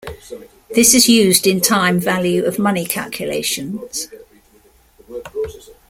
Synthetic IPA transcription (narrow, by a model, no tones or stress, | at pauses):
ðɪsɪzjʉːzdɪ̃ntʰãɪ̃ɱvaljʉəvmʌnɪkʰa̰lˠkʰjəlḛɪʃə̃nz̥